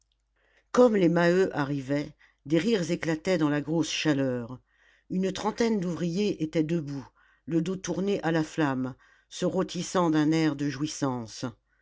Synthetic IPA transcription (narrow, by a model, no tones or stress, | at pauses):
kɔmlemaøʔaʁivɛ | d̪eʁiʁzeklat̪ɛd̪ɑ̃laɡʁosʃalœːʁ | ynt̪χɑ̃t̪ɛnd̪uvʁijeʔet̪ɛd̪əbu | ləd̪ot̪uʁneʔalaflam | səʁot̪ʰisɑ̃d̪ɛ̃nɛʁd̪əʒwisɑ̃s